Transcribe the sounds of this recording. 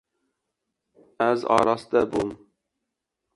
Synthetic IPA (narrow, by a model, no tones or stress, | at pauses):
æzɑ̰ːɾɑsɨd̪ɛbom